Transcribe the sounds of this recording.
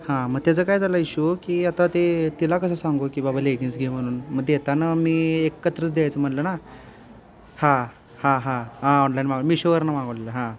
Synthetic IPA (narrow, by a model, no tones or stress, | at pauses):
hãməɡ̚t̪jad͡zəkajd͡zalaiɕuokiːat̪at̪et̪ilakəs̬asaŋɡokiːbabʱaleɡĩnsɡʱem̤əɽ̃uːnməɡ̪jet̪anamiːekːət̪ɾət͡sd̪eajt͡səm̤ənləna | hã | hãɦãɦãɔnlainmaɡmiːɕoʋəɾnamaɡəʋleləɦã